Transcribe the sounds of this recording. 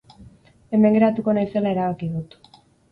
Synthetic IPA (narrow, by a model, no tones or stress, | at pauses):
e̞me̞ŋɡe̞ɾat̪uko̞najse̞lae̞ɾaβakiðut̪